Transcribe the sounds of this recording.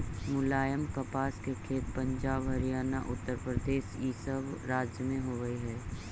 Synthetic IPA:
mʊlaːjəmkəpaːskekʰeːt̪̚pə̃ɲd͡ʒaːbɦɐɾijaːnaʔʊt̪ːəɾpɾəd̪eːʃiːsəbɾaːd͡ʒjəmẽɦoːɡəiɦɛː

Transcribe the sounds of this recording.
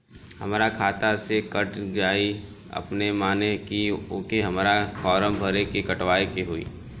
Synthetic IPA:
hɐ̰mːɾakʰaːt̪asekəʈd͡ʒaːi | ɐ̰pnemaːnekiʊːkeɦɐmːɾakɔːɾəmbʱəɾekikɐʈʋaːikeɦuḭː

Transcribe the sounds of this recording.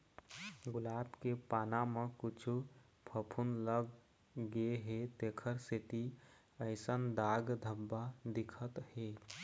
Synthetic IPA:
ɡʊlaːbkepaːnamẽkʊt͡ʃʰu | pʰəpʰunləɡː | ɦet̪eːkʰəɾset̪i | əɪsənd̪aːɡd̪ʱəbːad̪ɪkʰət̪heː

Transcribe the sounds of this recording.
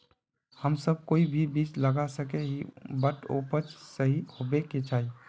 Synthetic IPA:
həmsəb̚koːibʱibiːt͡ʃləɡasəkeɦibəʈo̰pət͡ʃsəɦihobeket͡ʃaːi

